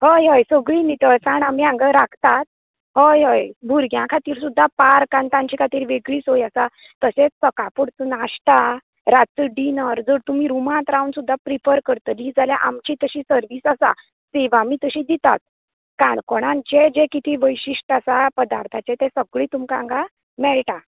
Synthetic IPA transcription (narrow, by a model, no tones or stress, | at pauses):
ɦəjɦəjsəɡɭinit̪ət͡saɳamiãŋɡəɾakʰt̪at̪̚ | ɦəjɦəjbʱuɾɡjãkʰat̪iːɾsud̪ʱːapaɾkãnt̪ãɲt͡ɕikʰat̪iːɾʋeɡɭiːsojasa | t̪əset͡ssəkapuɽt͡sənaɕʈ̪a | ɾat͡səɖinəɾd͡zəɾt̪um̤iːɾumãt̪ɾaunsud̪ʱːapɾifəɾkəɾt̪əlid͡zalja̰ʔa̰mt͡ɕiːt̪əɕiːsəɾʋiːsasa̰ | sɛʋamiːt̪əɕĩːd̪it̪a̰t̪̚ | kãɳkɔɽ̃ãnt͡ɕed͡ʑekit̪ʰiːʋəjɕiʂʈasapəd̪aɾt̪ʰat͡ɕɛt̪ɛ̃səɡɭiːt̪umkaãŋɡa | mɛɭʈ̪a